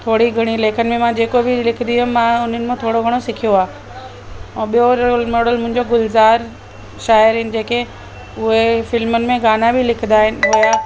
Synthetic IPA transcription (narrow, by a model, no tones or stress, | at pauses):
t̪ʰoːɽiɡʱɐɽ̃ileːkʰənɪ̆mẽmãd͡ʑeːkobɪlɪkʰɪnd̪iɦʊmãʊn̤ənɪ̆mẽt̪ʰoːɽoɡʱɐɽ̃osɪkʰijoaː | ɓijoɾmɔːɽəlmʊ̃ɦɪ̃ɲd͡ʑoɡʊlzaːɾ | ʃaːəɾɦɪnɪ̆d͡ʑeːke | ʊɦefɪlmənɪ̆mẽɡaːnabʱɪlɪkʰɪ̃nd̪aːɦɪnɪ̆ɦojaː